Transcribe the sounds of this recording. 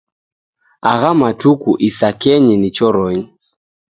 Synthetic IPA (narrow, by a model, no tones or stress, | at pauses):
aɣamatukuʔisakɛɲinit͡ʃɔɾɔɲi